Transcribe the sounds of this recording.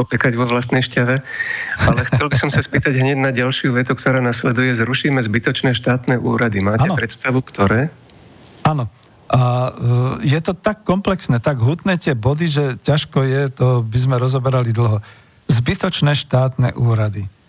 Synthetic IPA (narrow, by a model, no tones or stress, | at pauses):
ɔpɛkaɟʋɔʋlast̪nɛjʃcaʋɛ | alɛxɛlbisɔmsaspiːt̪aɟɦɲɛɟnaɟalʃɪuʋɛt̪ukt̪ɔɾaːnaslɛd̪ujɛzɾuʃiːmɛzbit̪ɔt͡ʃnɛːʃt̪aːt̪nɛːʔuːɾad̪imaːaɛnpɾɛt̪st̪aʋukt̪ɔɾɛː | aːnɔ | ʔa | jɛt̪ɔt̪akːɔmplɛksnɛːt̪aɡɦut̪nɛːt̪ɪɛbɔd̪iʒɛcaʃkɔjɛt̪ɔbizmɛɾɔzɔbɛɾalid̪l̩ɦɔ | zbit̪ɔt͡ʃnɛːʃt̪aːt̪nɛ̰ːʔuːɾad̪i